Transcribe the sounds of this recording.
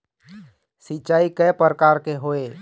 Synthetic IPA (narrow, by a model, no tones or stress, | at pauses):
sit͡ʃaːikɛpəɾəkaːɾkeɦoːe